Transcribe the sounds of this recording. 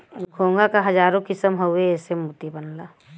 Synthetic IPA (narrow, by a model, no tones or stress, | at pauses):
ɡʱoːŋɡakaɦɐd͡ʒaːɾõkɪsəmɦoʊeɛːsemut̪ibənlaː